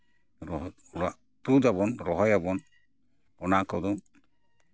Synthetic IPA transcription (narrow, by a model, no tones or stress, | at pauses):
ɾɔ | ɾa | t̪ud̪aβɔnɾɔɦɔjabɔn | ɔnakɔd̪ɔm